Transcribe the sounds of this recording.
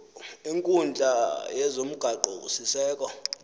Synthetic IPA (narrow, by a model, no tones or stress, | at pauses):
iŋkʼund͡ɮʱʼajɛzom̩ɡ̥ʱaǃɔ̰usisɛːkʼɔ